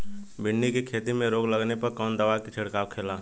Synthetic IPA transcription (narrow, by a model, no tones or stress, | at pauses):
bɪɳːikekʰeːt̪imẽɾoːɡləɡnepɐɾkɔːnd̪əʋakit͡ʃʰɪɽkaːwkʰeːlaː